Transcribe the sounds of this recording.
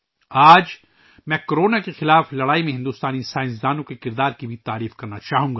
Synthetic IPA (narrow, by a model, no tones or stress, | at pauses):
aːd͡ʒ | mɛ̃ːkoɾoːnakexɪlaːflɐɽaːimẽɦɪ̃nd̪uːst̪aːnisaːɪ̃ns̬d̪aːnõkekɪɾd̪aːɾkibʱit̪aːɾiːfkɐɾnat͡ʃaːɦũːɡaː